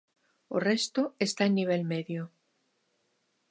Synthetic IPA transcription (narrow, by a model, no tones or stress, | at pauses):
o̰rest̪oest̪aenːiβ̞elmeðjo